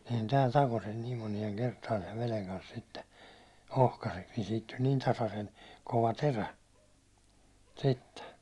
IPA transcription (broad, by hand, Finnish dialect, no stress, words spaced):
sehæn tæːl tɑko sen niːm monieŋ kertɑːn seʋ ʋeleŋ kɑns sitːe ohkɑseks niːn siːt tulʲ niːn tɑsɑsen koʋɑ teræ sitːe